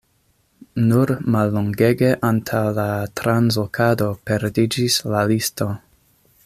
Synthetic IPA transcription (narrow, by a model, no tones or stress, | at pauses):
nuɾmalːoŋɡe̞ɡe̞ʔantʰawlatɾanzokʰado̞pe̞ɾdid͡ʒislalisto̞